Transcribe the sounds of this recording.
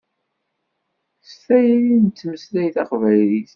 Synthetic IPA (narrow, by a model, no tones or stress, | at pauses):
sθæjɾint͡s̪ːməslæjθɑqvæjliθ